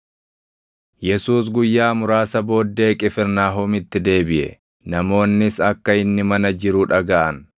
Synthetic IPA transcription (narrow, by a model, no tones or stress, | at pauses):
jɛsuːs̬ɡʊjːaːmʊɾaːsɐbo̞ːd̪ːe̞ːkʼɪfɪɾnaːɦoːmɪt̪ːɪd̪e̞ːbɪʔɛ̰ | nɐmo̞ːnːɪsɐkːɐɪnːɪmɐnɐd͡ʒɪɾʊᶑɐɡɐʔɐn